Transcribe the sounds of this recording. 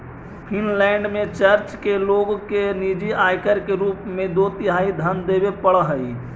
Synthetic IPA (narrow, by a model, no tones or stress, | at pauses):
pʰinlɛɳɖmẽt͡ʃəɾt͡ʃkeloɡkenid͡ʒiajkəɾkeɾupmẽd̪ot̪ɪɦaːid̪ʱənd̪ebepəɽəɦəi